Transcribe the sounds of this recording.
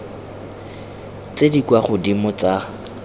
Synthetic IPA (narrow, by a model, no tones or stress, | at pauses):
t͡sʼedikwaχʊdimʊt͡sa